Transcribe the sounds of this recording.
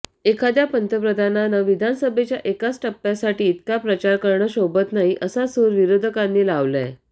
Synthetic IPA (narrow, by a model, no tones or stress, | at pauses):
ekʰad̪japənt̪əpɾəd̪ʱananəʋid̪ʱansəbʱet͡ɕjaʔekat͡sʈəpːjasaʈiːt̪kapɾət͡ɕaɾkəɾɳəːɕobət̪naɦiʔəsasoɾʋiɾod̪ʱəkanːiːlaʋla̰